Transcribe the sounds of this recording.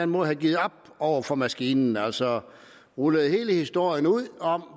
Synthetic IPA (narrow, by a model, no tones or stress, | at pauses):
ænmɔhæɡ̥iːð̩ˠɒ̽b̥̚ | ɒʊ̰ɐfɒ̽mæsɡ̥iːnn̩æl̰sɒ̽ | ʁuləð̩ˠhe̝ːləhisd̥o̝ɐ̰jənuð̰ˠɒ̽m